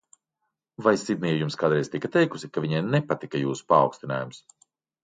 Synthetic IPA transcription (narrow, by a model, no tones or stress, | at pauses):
vajsid̪̚niɛjumskaːd̪ɾɛjzt̪ikɐt̪ɛjkusikaviɲajnɛpat̪ikɐjuːsu̥pa̰ːwkst̪ina̰ːjums